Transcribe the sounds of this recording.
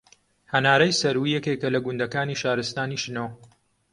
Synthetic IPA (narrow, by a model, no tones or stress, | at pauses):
hɐnaːɾɐjsɐɾwijɛkeːkɐlɐɡʊnd̪ɐkaːniʃaːɾɨst̪aːniːʃɨno